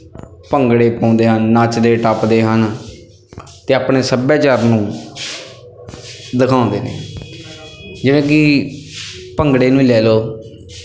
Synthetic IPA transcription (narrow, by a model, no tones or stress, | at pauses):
pəŋɡɽeːpãːnd̪eːɦənːaːt͡ʃd̪eːʈaːpd̪eːɦən | t̪eːaːpɳeːsəbɛːt͡ʃaːɾnũː | d̪əkʰãːʊ̃nd̪eːnḛː | d͡ʒɪʋẽːkɪ | pəŋɡɽeːnũːlɛːloː